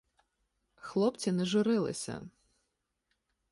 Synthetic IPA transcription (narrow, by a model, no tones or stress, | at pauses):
xlˠɔpt͡sʲinɛʒʊɾɪlˠɪ̰sʲɐ̰